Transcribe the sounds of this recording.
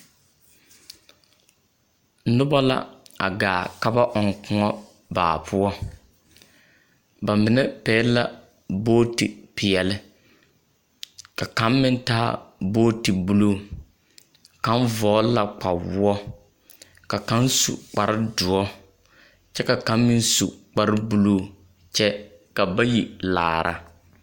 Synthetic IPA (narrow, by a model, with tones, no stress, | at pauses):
nʊ˦ba˦la̰˦a̰˨ɡaː˨ka˦ba˦ʔɔ˨ŋkʊ˨ŋɔ˦ | ba̰ː˨pʰʊ˦ɔ˦ | ba˨mɪ˨nɛ˦pɛː˨˦la˦ | boː˦ti˨pɪ˨ɛ˨lɪ˦ | ka˨ka˨˦nmɪ˦n˦taː˦boː˦ti˨bu˦lo˦˨ | ka˦nvɔː˨˦la˨k͡pa˨wʊ˦ɔ˦ | ka˨ka˨˦nsṵ˨k͡pa˨ɾɪ˦dʊ˨ɔ˦ | t͡ʃɛ˦ka˨ka˨˦nmɪ˦n˦su˨k͡pa˦ɾɪ˦bu˦lo˦ | t͡ʃɛ˦ | ka˨ba˦ji˨la̰ː˨ɾa̰˨